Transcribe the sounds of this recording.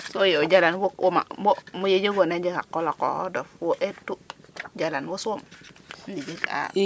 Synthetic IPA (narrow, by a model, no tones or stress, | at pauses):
sojod͡ʒalanwokʔoma̰bomujed͡ʒeɡoned͡ʒeka̰kːolako̰dofoʔetːud͡ʒalanwosumnid͡ʒika̰